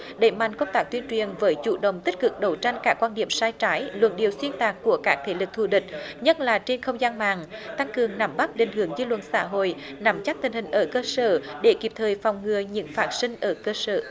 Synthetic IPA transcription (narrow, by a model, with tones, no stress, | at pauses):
ɗe˧˩ma̰˧˨jŋkə˧wŋ͡mt̪aː˦˥k̚t̪wi˧ənt͡ɕwi˨˩ənvəː˨˦jt͡ɕṵ˧˨ɗə̰˧˨wŋ͡mt̪i˦˥k̟̚kɨ˨˩k̚ɗə˨˦wt͡ɕa˧jŋ̟kaː˦˥kːwaː˧nɗi˧˩əmsaː˧jt͡ɕaː˨˦jlwə̰˧˩nɗi˨˩əwswi˧ənt̪aː˨˩kku˧˩əkaː˦˥k̚t̪ʰe˧˩lɨ˨˩k̚t̪ʰu˧˩ɗï˨˩k̟̚ɲə˦˥t̚laː˨˩t͡ɕe˧nxə˧wŋ͡mzaː˧nma̰ː˧˨ŋt̪a˧ŋkɨ˨˩əŋna˨˧˦mɓa˦˥t̚ɗḛ̈˨˩ŋ̟ɦɨ˧˩əŋzi˧lwə̰˧˨n̚sa̰ː˧˥ɦo̰˧˨jna˨˦mt͡ɕa˦˥k̚t̪ï˨˩ŋ̟hï˨˩ŋ̟ʔəː˧˩kəː˧səː˧˩ɗe˧˩ki˨˩p̚t̪ʰəː˨˩jfɔ˨˩wŋ͡mŋɨ˨˩əɲɨ̰˧˥ŋfaː˦˥t̚sï˧ŋ̟ʔəː˧˩kəː˧səː˧˩